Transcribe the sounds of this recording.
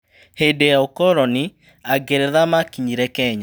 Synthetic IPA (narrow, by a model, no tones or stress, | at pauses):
hedejaokɔɾɔni | aɡeɾɛðamakiɲiɾɛkɛɲa